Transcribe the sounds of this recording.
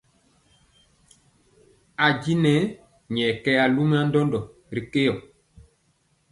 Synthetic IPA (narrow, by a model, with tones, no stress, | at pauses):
a˨ɟi˦nɛ˦ | ɲɛ˨kɛ˦ja˨lu˦m˦a˦ndɔ˦ndɔ˨ | ɾi˨ke˦jɔ˨